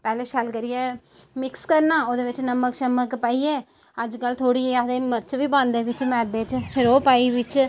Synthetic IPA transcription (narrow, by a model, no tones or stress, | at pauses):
pɛːleʃaːlkɐɾije | mɪkskɐɾnãːoðɨʋɪt͡ʃːnɐmːɐkʃɐmɐkːɨpɐjje | ɐd͡ʒkaːlt̪ʰoːɽijeaðemɐɾt͡ʃʋibɐnd̪eʋɪt͡ʃːmɛ̃ːd̪eːt͡ʃpɪɾoːpɐiʋɪt͡ʃː